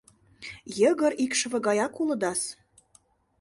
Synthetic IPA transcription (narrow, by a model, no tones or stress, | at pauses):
jəɣə̆ɾikʃə̆βɤ̆ɣɑjɑkulɤ̆d̪ɑs